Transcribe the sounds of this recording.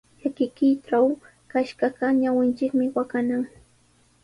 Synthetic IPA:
jakɪkɪʈ͡ʂaw | kaʃɢɑɢɑɲawɪnt͡ʃɪkmɪwakanaŋ

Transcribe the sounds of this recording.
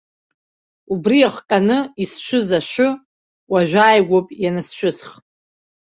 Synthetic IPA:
ubriaχkʼanɨisʃʷʊzaʃʷᶣʊ | waʒᶣʷaːjɡʷopʼjanasʃʷᶣʊsχʼ

